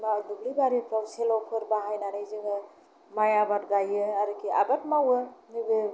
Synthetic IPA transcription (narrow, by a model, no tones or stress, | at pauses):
maduɡlibaɾipɾawselɔpʰɯɾbaɦajnaɾajziŋɯ | majabat̚ɡajɯaɾɯkia̰bat̚mawɯmibɯ